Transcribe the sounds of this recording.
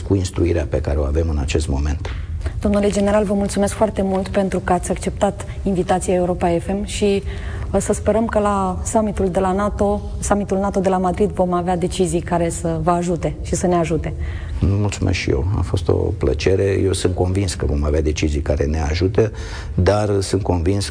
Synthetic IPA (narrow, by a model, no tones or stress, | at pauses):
kuinst̪ɾuiɾeape̞kaɾeo̞ave̞mɨnat͡ʃe̞st̪mo̞me̞̰nt̪d̪̥o̞mnule̞d͡ʒe̞ne̞ɾalvəmult̪sumeskfoart̪e̞mult̪pe̞nt̪ɾukəat̪sʲakt͡ʃe̞p̚t̪at̪ | invit̪at̪sijaeuɾo̞paefe̞mʃi | səspe̞ɾəmkəlasamit̪uld̪e̞lanat̪o | samit̪ulnat̪o̞d̪e̞lamad̪ɾid̪vo̞mavead̪e̞t͡ʃizijkaɾe̞səvəaʒut̪e̞ʃisəne̞aʒut̪e̞ | nmult̪sumʔeskʃḭje̞̰wa̰fo̞st̪o̞̰plə̰t͡ʃe̞ɾe̞je̞wsɨnt̪̚ko̞nvinskəvo̞mavead̪e̞t͡ʃizijkaɾe̞ne̞aʒut̪ə | d̪arsɨnt̪̚ko̞nvins